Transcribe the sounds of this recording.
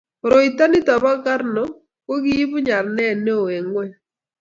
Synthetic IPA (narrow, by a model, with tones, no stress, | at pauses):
ɾo˨i˨ta˦nɪ˦ta˨ba˦ka˦ɾnɔ˨ | ko˦ɡi˦i˦bʊ˦ɲa˨ɾnɛ˦˨ne˦o˨e˨ŋwɛ˦